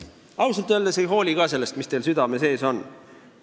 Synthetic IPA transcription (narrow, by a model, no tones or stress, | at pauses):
ɑwselt̪ːˑøːld̪esejɦo̞ːlʲiɡ̥ɑːse̞lːest̪mist̪e̞ːlsyd̪ɑme̞se̞ːso̞n